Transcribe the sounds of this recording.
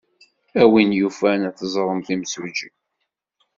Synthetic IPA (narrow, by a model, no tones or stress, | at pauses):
æwinjufænæθəzˤɾˤəmθimsud͡ʒi